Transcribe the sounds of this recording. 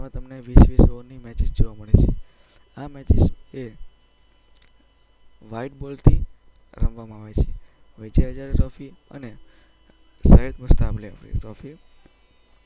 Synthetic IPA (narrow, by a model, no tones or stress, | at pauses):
mãt̪əmneʋisʋisoɾnimɛt͡ʃɪsd͡ʒoʋaməɭet͡ʃʰe | amɛt͡ʃize | ʋaiʈ̚bɔlt̪ʰi | ɾə̰mʋamãaʋet͡ʃʰe | ʋə̃t͡ʃeəd͡ʒaɾeɾɔfiə̰ne | saɦed̪̚məst̪ablefɾḭɾɔfi